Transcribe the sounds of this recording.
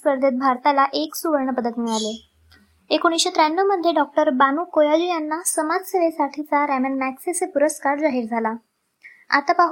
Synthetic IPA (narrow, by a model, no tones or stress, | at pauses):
spəɾd̪ʱet̪̚bʱaɾt̪alaʔeksuʋəɾɳəpəd̪ət̪meɭale | ekoɽ̃isɕet̪ɾanːəʋməd̪ʱjeɖɔk̚ʈəɾbanuːkojalujanːasəmad͡zseʋesaʈʰit͡saɾæmənmæksesepuɾəskaɾd͡zaɦiːɾd͡zʱala | a̰t̪apaɦ